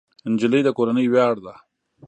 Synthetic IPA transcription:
ɪnd͡ʒɪləjd̪əkoɾanəjwjɑɽd̪a

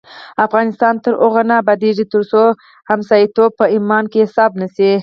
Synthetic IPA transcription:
afɣɑnɪst̪ɑnt̪əɾoɣanabad̪eʐit̪əɾso | hamsɑjit̪ob̚pəimɑnkesɑbnəsi

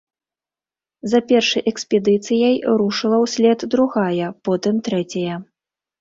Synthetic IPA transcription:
zɐpʲɛrʂɨjʔɛksʲpʲɛd̪ɨt̪sɨjɐjɾuʂɨlˠɐwsʲlʲɛd̪d̪ɾuɣajɐpɔt̪ɨmt̪ɾɛt͡sʲɐjɐ

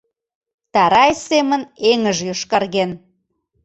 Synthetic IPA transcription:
t̪ɑɾɑjseməneŋəʒjoʃkɑrɣen

